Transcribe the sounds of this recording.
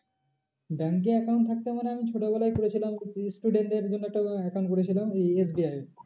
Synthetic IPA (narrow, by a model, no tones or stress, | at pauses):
bɛŋk̬eɛkaw̃ɳʈ̚t̪ʰak̚t̪emaneamit͡ɕʰoʈobɛlajkoɾet͡ɕʰilamsʈuɖeɳʈeɾd͡ʑonːoɛk̚ʈaɛkawɳʈkoɾet͡ɕʰilamees̬biaj